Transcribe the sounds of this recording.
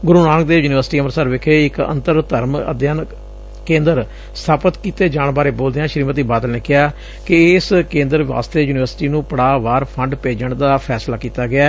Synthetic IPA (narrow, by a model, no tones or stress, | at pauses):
ɡʊɾuːnaːnək̚d̪eːjuːnɪʋəɾsʈiːəmnsaːɾʋɪkʰeːɪkə̰̃nt̪əɾt̪əɾmə̰d̪jaːn | kẽːnd̪əɾ | st̪ʰaːpət̪kiːt̪eːd͡ʒaːɳbaːɾeːboːld̪eːãːʃəɾiːmət̪iːbaːd̪əlneːkɪaː | kɪskẽːnd̪əɾʋʋa̰ːst̪eːjuːnɪʋəɾsʈiːnũːpəɽaːʋaːɾpʰəɳɖpeːd͡ʒəɳd̪aːpʰɛːslaːkiːt̪aːɡɪaː